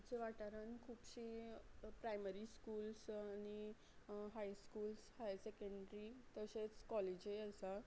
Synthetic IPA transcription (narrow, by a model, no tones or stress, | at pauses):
t͡seʋaʈaɾənkʰuːpɕipɾajməɾiskuːlsañi | ɦajskuːlshajsekəɳɖɾit̪əɕet͡skɔled͡ʑeəsa